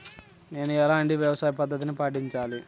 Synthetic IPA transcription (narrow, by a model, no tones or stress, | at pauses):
ne̞ːnuɛlaːɳʈiʋjɐʋɐsaːjɐpɐd̪ʱːɐt̪̬inipaːʈiɲt͡ʃaːli